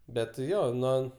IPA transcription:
ˈbʲɛt ˈjoː ˈnuɔ

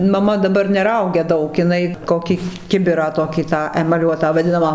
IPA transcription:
mɐˈmɐ dɐˈbɐr nʲɛˈrɐʊɡʲɛ ˈdɐʊk ɪˈnɐɪ ˈkoːkʲiː ˈkʲɪbʲɪrɑː ˈtoːkʲiː tɑː ɛmɐˈlʲuɔtɑː ʋɐˈdʲɪnɐmɑː

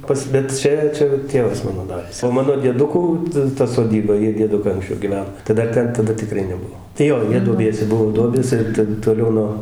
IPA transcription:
ˈpɐs bʲɛt ˈt͡ʃʲɛ ˈt͡ʃʲɛ ˈtʲeːʋɐs ˈmɑːnoː ˈdɑːrʲæːs oː ˈmɑːnoː dʲiɛˈdʊkuː tɐ tɐ soːˈdʲiːbɐ ˈjiɛ dʲiɛˈdʊkɐɪ ɐŋksʲˈt͡ʃʲɛʊ ɡʲɪˈʋʲɛn tɐɪ dɐr ˈtʲɛn tɐˈdɐ tʲɪˈkrɐɪ nʲɛˈbuɔ tɐɪ ˈjoː ˈjiɛ duɔˈbʲiɛsʲɛ ˈbuɔ ˈduɔbʲeːs ˈɪr tʲɛn toːˈlʲɛʊ noː

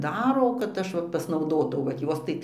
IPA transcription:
ˈdɑːroː kɐt ˈɐʃ ʋɐ pɐsnɐʊˈdoːtɐʊ ʋɐt ˈjoːs tɐɪ

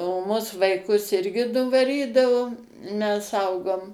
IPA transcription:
oː ˈmʊs ʋɐɪˈkʊs ˈɪrʲɡʲɪ nʊʋɐˈrʲiːdɐʋoː mʲɛs ˈɐʊɡoːm

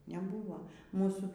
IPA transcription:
nʲɛˈbuːʋoː ˈmuːsuː

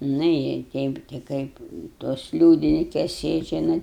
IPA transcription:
nʊ ɪ ˈtʲɛɪp tʲɪ ˈkɐɪp toːs ˈlʲuːdʲɪnʲɪkʲɛs ˈsʲeːd͡ʒʲɛ ˈnɐt

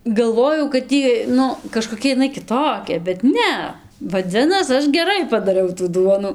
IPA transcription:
ɡɐlˠˈʋoːjɛʊ kɐt ˈjiː ˈnʊ kɐʃkoːˈkʲɛ ɪˈnɐɪ kʲɪˈtoːkʲɛ bʲɛt ˈnʲɛ ʋɐˈd͡zʲɪnɐs ˈɐʃ ɡʲɛˈrɐɪ pɐdɐˈrʲɛʊ tuː ˈduɔnʊ

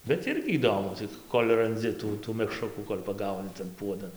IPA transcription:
bʲɛt ˈɪrʲɡʲɪ iːˈdoːmʊ ˈt͡sʲɪk ˈkoːlʲ rɐnʲˈd͡zʲɪ ˈtuː tuː mʲɛkˈʃrʊkuː koːlʲ pɐˈɡɐʊnʲɪ tɐn ˈpuɔdɐn

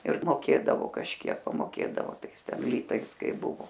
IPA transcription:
ɪr moːˈkʲeːdɐʋoː kɐʃʲˈkʲiɛk pɐmoːˈkʲeːdɐʋoː ˈtɐɪs ˈtʲɛn ˈlʲiːtɐɪs ˈkɐɪ ˈbʊʋoː

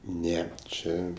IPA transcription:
ˈnʲæːˈt͡ʃʲeː

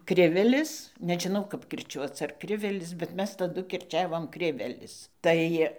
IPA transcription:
ˈkrʲɪʋʲɛlʲɪs nʲɛʒʲɪˈnɐʊ kɐp kʲɪrʲˈt͡ʃʲuɔt͡s ɐr ˈkrʲɪʋʲɛlʲɪs bʲɛt ˈmʲɛs tɐˈdʊ kʲɪrʲˈt͡ʃʲæːʋoːm ˈkrʲɪʋʲɛlʲɪs ˈtɐɪ

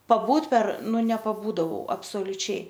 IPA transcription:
pɐˈbuːt pʲɛr ˈnʊ nʲɛpɐˈbuːdɐʋɐʊ ɐpsoːlʲʊˈt͡ʃʲɛɪ

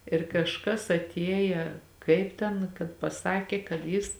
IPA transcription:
ɪr kɐʃˈkɐs ɐˈtʲiɛjɛ ˈkɐɪp tʲɛn kɐt pɐˈsɑːkʲeː kɐt ˈjɪs

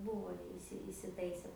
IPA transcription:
ˈbuːʋoː jɛʊ ɪˈsʲɪ ɪsʲɪˈtɐɪsʲɛ

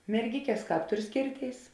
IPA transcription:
mʲɛrʲˈɡʲɪkʲɛs ˈkɑːp ˈtʊr ˈsʲkʲeːrʲˌtʲeːɪs

